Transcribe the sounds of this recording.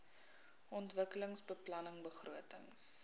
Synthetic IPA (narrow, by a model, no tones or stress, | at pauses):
ʔɔntvəkələŋsbəplɐnəŋbəχruətə̰ŋs